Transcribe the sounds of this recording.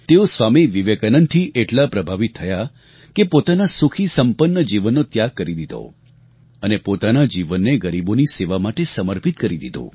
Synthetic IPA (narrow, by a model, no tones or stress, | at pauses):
t̪eosʋamiʋiʋekənənt̪ʰiʔeʈlapɾəbʱaʋit̪ʰːəja | kepot̪anasukʰisəmpənːəd͡ʒiʋənːot̪jaɡ̚kəɾid̪id̪ʱo̰ | ənepot̪anad͡ʒiʋənːeɡəɾiboniseʋamaʈesəməɾpit̪kəɾid̪id̪o̰